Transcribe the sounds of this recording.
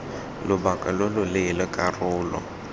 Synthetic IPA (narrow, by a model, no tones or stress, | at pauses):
lʊbakʼalʊlʊlelɔkʼarʊːlɔ̰